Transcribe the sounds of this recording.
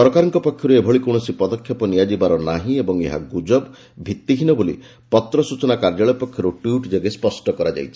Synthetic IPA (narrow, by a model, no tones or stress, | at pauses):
ɔɾɔkaɾɔŋkɔpɔkʰjɔɾuebʱɔɭikɔwɳɔsipɔd̪ɔkʰjɔpɔnijad͡ʒibaɾɔnaɦĩebɔŋḛɦa̰ɡud͡ʒɔb | bʱit̪ːiɦinɔbolḭ | pɔt̪ɾɔsut͡ʃɔnakaɾd͡ʒaɭɔpɔkʰjɔɾuʈwjuʈd͡ʒeɡespɔsʈɔkɔɾad͡ʒa̰jt͡ʃʰi̥